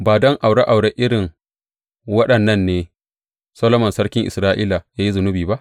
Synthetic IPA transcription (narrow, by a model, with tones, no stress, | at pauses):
baː˨dɔ˦ŋʔa˨wɽa˦ʔa˨wɽe˦ʔɪ˦ɽɪ˨ŋ | wɐ˦ɗɐ˨nːɐ˦nːeː˨˦ | sɐ˦lo˦mɐ˨nsɐ˦ɽkʲɪ˦ŋʔɪ˨sɾaː˦ʔiː˦la˨jaː˦ji˦zʊ˨nʊ˦biː˨ba˦ʔ